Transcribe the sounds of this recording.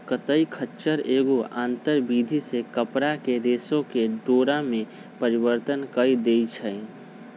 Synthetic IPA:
kət̪əikʰətːt͡ʃəɾeːɡoʔã̰ːnt̪əɾbid̪ʱisekəpɾakeɾeːsõkeɖoːɾamẽ | pəɾibəɾt̪ənkəid̪eit͡ʃʰə

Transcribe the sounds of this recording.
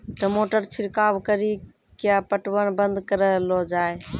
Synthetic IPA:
ʈəmoːʈəɾt͡ʃʰiɾkaːbkəɾi | kjapəʈwənbənd̪kəɾəlɔd͡ʒaːj

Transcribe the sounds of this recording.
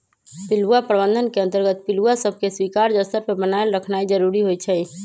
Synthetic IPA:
pɪluapɾəbə̃nd̪ʱənkeə̃nt̪əɾɡət̪pɪluasəbʱkeswiːkaːɾd͡ʒəst̪əɾpəbənajəlɾəkʰnaid͡ʒəɾuɾiɦoit͡ʃʰɛi

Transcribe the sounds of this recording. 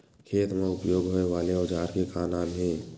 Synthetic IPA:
kʰeːt̪mẽʊpjoːɡɦoːeʋaːleod͡ʒaːɾkekaːnaːnɦɛ̃ː

